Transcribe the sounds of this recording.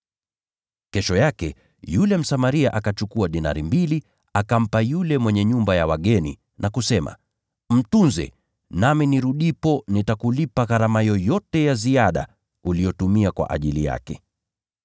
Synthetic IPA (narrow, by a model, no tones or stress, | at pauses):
kɛʃɔjakɛ̰ | julɛm̩samaɾiaʔakat͡ʃukuaɗina̰ɾimbili | akam̩pajulɛmwɛɲɛɲumbajawaɠɛnḭ | nʔakusɛma̰ | m̩tunzɛ̰ | naminiɾuɗipɔnitakulipaɣaɾamajɔjɔtɛjaziaɗa̰ | ulijɔtumiakwa̰ʔa̰ʄilija̰kɛ